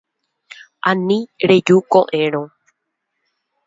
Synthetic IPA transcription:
ʔãnĩɾed͡ʒukoʔẽɾõ

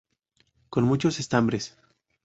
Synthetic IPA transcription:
ko̞nmut͡ʃo̞se̞st̪ambɾes

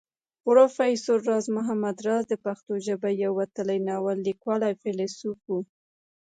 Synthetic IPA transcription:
ʊɾofajsoɾːɑzmʊɦamad̪ɾɑzd̪əpaxt̪oʒəbajawːat̪əlajnɑwalːikwɑlajfelesupu

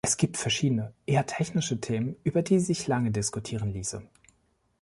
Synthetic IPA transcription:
ʔɛsɡ̥iːp̚tfɛɐʃiːdənəʔeːɐtʰɛçnɪʃətʰeːmənʔyːbɐdiːzɪçlaŋədɪskutʰiːʁ̞ənliːsə

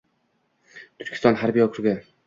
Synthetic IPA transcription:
t̪ʰʊɾkʰʲɪ̥st̪ɒnɦaɾbijɒkʰʊɾɡʲa

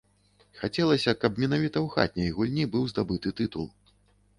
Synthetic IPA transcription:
xat͡sʲɛlˠɐsʲɐkɐpmʲɛnavʲit̪ɐwxa̰t̪̚ʲnʲɐjɣulʲnʲibɨwzd̪abɨt̪ɨt̪ɨt̪ulˠ

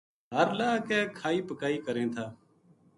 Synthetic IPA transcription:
ɦəɾlaːkɛːkʰaːiːpəkaːiːkəɾẽːt̪ʰaː

